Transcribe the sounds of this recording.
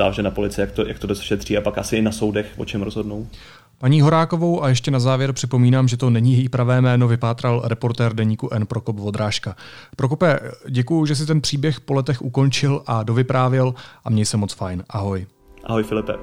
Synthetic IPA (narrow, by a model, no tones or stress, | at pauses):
za̰ːlʒɛnapolɪt͡sɪjakt̪oja̰kt̪odɛsʃɛt̪r̥iːapakʔasɪɪnaso̞wdɛxvo̰t͡ʃɛmɾozɦo̞dnow | paɲiːɦo̞ɾaːko̞vo̞wʔajɛʃcɛnazaːvjɛɾpr̥ɪpo̞miːnaːmʒɛt̪onɛɲiːjɛjipɾavɛːmɛːno̞vɪpaːt̪ɾalɾɛpo̞ɾt̪ɛːɾdɛɲiːkuʔɛnpɾo̞kopvo̞d̪ɾaːʃkapɾo̞kopɛɟɛkujʊʒɛs̬ɪt̪ɛnpr̥iːbjɛxpo̞lɛt̪ɛxʔuko̞nt͡ʃɪlʔado̞vɪpɾaːvjɛlʔamɲɛjsɛmo̞t͡sfajnʔaɦo̞j | ʔaɦojfɪlɪpɛ̰